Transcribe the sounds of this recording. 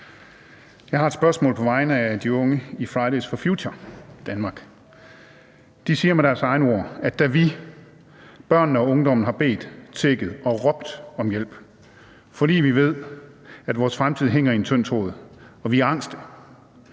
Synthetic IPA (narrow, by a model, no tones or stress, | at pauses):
jɑ̈ɪhɑ̈ed̥sb̥ɶɐsmɔ̰̽ːlpʰɒ̽ʋɑ̈ɪnəæd̥iɔ̽ŋəifʁɑɪdesfɒfjuːɕʰɐd̥ænmɑ̈ːɡ̥ | d̥isiːɐmeɾ̥æɐsɑ̈ɪnəo̝ɐ̰æd̥æʋi | b̥ɶɐ̰nn̩ɒ̽ɔ̽ŋd̥ɒ̽mn̩ɦɑ̈b̥e̝̰ːd̥t͡sʰeɡ̥əð̩ˠɒ̽ʁɒ̽b̥d̥ɒ̽mjel̰b̥ | fɒ̽d̥ḭːʋiʋe̝ð̞̰ˠ | æd̥ʋɒːsfʁamt͡sʰið̞̰ˠɦeŋ̰ɐient͡sʰøn̰t͡sʰʁo̝̰ːðˠɒ̽ʋiæɐɑ̈ŋ̰sd̥ə